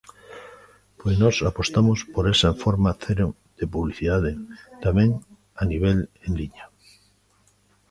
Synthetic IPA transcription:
pojsnɔsapost̪amospoɾesaeɱfoɾmaθeɾo | d̪̥epuβliθiðað̞et̪amẽŋ | aniβ̞eleŋliɲa

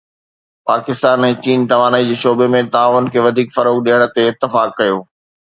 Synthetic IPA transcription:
paːkɪst̪aːnɛ̃ːt͡ɕiːnt̪ɐʋaːnaid͡ʑeːʃoːbemẽt̪aːʋʊnkʰeːʋɐd̪ʱiːkfɐɾoːkɗiəɽ̃ə̆t̪eɪt̪ːɪfaːkːɐjoː

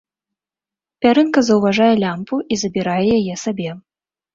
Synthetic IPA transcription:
pʲaɾɨnkɐzɐwvaʐajɛlʲampuʔizɐbʲiɾajɛjajɛsabʲɛ

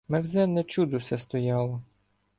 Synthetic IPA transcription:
mɛɾzɛnːɛt͡ʃud̪ʊsʲɛst̪ɔjɑlˠɔ

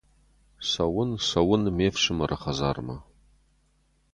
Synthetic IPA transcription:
sɐwʊnsɐwʊnmefʂɨmɐrʔɨχɐzaːrmɐ

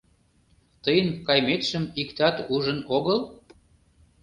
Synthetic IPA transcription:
t̪əjənkɑjmet̪ʃəmikt̪ɑt̪uʒənoɣəl

